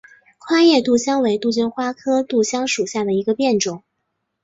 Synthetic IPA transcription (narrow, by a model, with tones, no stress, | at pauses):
kʰwa˥jɛ˥˧t̪u˥˩ɕjɑ˥ŋwe˧˥ɪt̪u˥˩t͡ɕy˥˩nxwa˥kʰɤ˥t̪u˥˩ɕjɑ˥ŋʂu˨˩ɕja˥˩d̪ə˩i˧˥ɡə˧pjɛ˥˩nʈ͡ʂʊ˨˩˦ŋ